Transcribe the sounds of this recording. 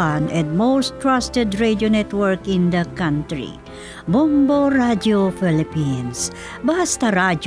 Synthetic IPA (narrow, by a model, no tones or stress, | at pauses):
anɛ̃nd̪̚mowst̪ɹast̪ɛd̪ɹedjonɛt̪wəɹkɪ̃nd̪ɐkãnt̪ɹḭ | bɔmboɾad͡ʒjofilɪpins | bahast̪aɾad͡ʒ